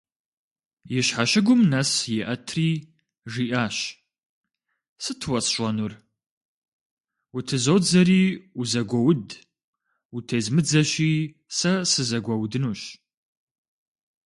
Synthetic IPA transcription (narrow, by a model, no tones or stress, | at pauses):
jɛɕħaɕɪɡʷʊmnɐsjɛʔɐtʰriː | ʐiːʔaːɕ | sɨtʰwɐt͡sʼɕʷʼɔnur | wutʰɨzowd͡zɐɾiːuzɐɡʷɔwʊd | utʰezmɨd͡zɐɕiː | sɐsɨzɐɡʷɐwdɨnuːɕ